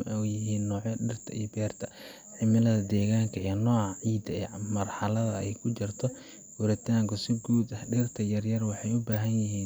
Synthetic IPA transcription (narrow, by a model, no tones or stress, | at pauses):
ɛjɪɦiːnːɔːʕɛɖɪrt̪ʰɐ̰ʔḭjbɛːrt̪ʰɐ | ħɪmɪlɐðɐd̪ɛːɣaːŋkʰɐijɐnɔːʕɑʕiːd̪ɐɛːmɐrħɑlɐðɐɛjkʰʊt͡ʃɪrt̪ʰɔ | wʊɾɪt̪ʰaːŋkʰʊsɪɡuːd̪ɐhɖɪrt̪ʰɐjɐrjɐrwɑħɑjʊbaːɦɐnjɪɦiːn